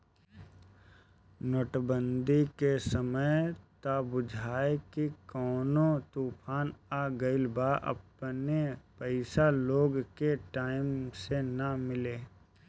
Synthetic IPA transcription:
noːʈbə̃nd̪ikesəməjt̪abʊd͡ʒʱaːekikɔːnot̪uːpʰaːnaɡəɪlbaʔə̰pnepəɪsaloːɡkeʈaːɪmsenɐmɪleː

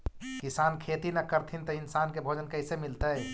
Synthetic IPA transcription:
kɪsaːnkʰeːt̪inɐkəɾt̪ʰint̪oɪnsaːnkebʱoːd͡ʒənkɐɪsemɪlt̪aɦɛː

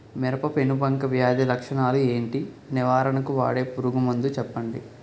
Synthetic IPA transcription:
miɾɐpɐpenubɐŋkɐʋjaːd͡ʒɐlɐkʂɐɳaːlue̞ːɳʈi | niʋaːɾɐɳɐkuʋa̰ːɽe̞ːpuɾuɡumund̪ut͡ʃɛpːɐɳɖḭ

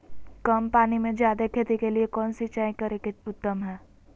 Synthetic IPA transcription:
kɐmpaːnimẽd͡ʒjaːd̪ekʰeːt̪ikeliekɔːnsit͡ʃaːĩkɐɾekeʊt̪ːəmɦɛː

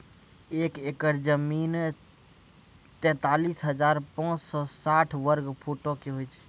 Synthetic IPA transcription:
eːkekəɾd͡ʒəmiːn | t̪ɛ̃ːt̪aːliːsɦəd͡ʒaːɾpãːt͡ʃsɔːsaːʈʰʋəɾɡpʰoːʈokeɦoit͡ʃʰ

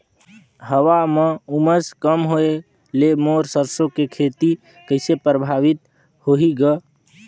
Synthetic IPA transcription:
ɦəwameuməskəmɦoe | lemoɾsəɾsõkekʰet̪i | kəɪsepɾəbʱaʋit̪ | hoɦiɡə

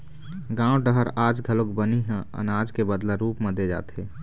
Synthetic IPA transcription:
ɡãːoɖəɦəɾaːd͡ʒɡʱəlokbəniɦɛ̃ə̰naːd͡ʒkebəd̪laɾuːpmẽd̪ed͡ʒa̰ːt̪eː

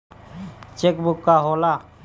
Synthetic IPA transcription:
t͡ʃekbʊkːaɦoːla

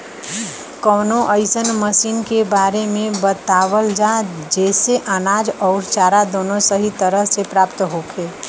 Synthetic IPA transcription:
kəːnoʔəɪsənməsiːnkebaːɾemẽbət̪aʋəld͡ʒad͡ʒɛːseʔənaːd͡ʒɔːɾt͡ʃaɾad̪oːnosəɦit̪əɾəɦsepɾaːpt̪ɦokʰe

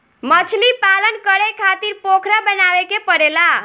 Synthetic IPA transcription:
mət͡ʃʰlipalənkəɾekʰat̪iɾpokʰɾabənaʋekepəɽela

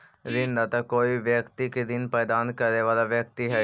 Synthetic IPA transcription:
ɾɪnd̪aːt̪akoːiʋjəkt̪iked̪ɪnpɛːd̪aːnkəɾneːʋaːlaʋjək̚t̪iɦɛː

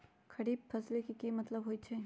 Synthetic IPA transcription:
kɐɽiːb̚fʰɐslekikimɐt̪ləbɦoːit͡ʃʰɛː

